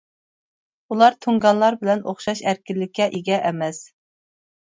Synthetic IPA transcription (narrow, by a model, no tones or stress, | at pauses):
ulˠɑɾt̪ʰoŋɡɑnlˠɑɾbɪlɛnʔoχʃɑʃæɾkʲɪlːɪkʲʰːɛʔiɡʲɛʔɛmɛs